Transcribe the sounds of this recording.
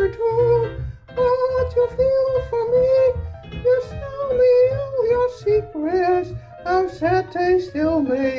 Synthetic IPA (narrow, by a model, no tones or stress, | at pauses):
ətʰu | wɔt͡ʃəfilˠfə˞mi | jəstɪlˠmijə˞sikɹɛs | ãɪsɛt̪ʰeɪstɪlˠmi